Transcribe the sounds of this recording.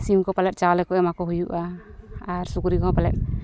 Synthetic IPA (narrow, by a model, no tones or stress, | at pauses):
simkɔpalɛt̪̚ˀt͡ʃaɔlɛkɔʔɛmakɔɦujuʔaː | ɾsukuɾikɔɦɔ̃palɛ̰t̪̚